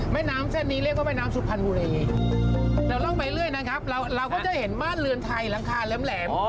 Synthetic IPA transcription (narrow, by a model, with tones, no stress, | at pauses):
mɛː˥˩jnaː˦˥mse˥˩nːiː˦˥ɾi˥˩k̚wa˥˩aː˧˥˩jnaː˦˥msu˨˦˩pʰa˧nbuː˧ɾiː˧ | lɛː˦˥wt̪ɔː˥˩pa˧jlɯ˥˩əjna˦˥kʰa˦˥p̚ɾa˧wɾa˧wkɔː˥˩t͡ɕa˨˩he˩˦nmaː˥˩nlɯ˧ənt̪ʰa˧jla˧ŋkʰaː˧lɯː˦˥mlɛː˩˦